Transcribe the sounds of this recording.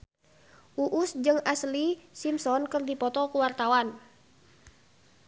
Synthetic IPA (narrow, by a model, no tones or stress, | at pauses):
ʔuʔʊsd͡ʒɨŋaslisimsɔnkərdipɔt̪ɔkuwart̪awan